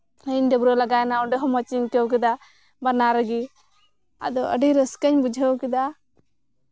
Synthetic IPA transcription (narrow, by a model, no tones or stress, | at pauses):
əɲd̪əbɾɔlaɡajnaɔɖɛɦɔmət͡ʃiɲkəwk̬ɛd̪a | banaɾəɡi | a̰d̪ɔʔə̰ɖiɾəskəɲbud͡ʒʱəwkɛd̪a